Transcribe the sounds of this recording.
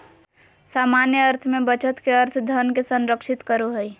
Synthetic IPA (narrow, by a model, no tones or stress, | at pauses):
saːmanjəəɾt̪ʰmẽbət͡ʃət̪keɐɾt̪ʰd̪ʱənkesə̃nɾəkʃɪt̪kəɾoɦəi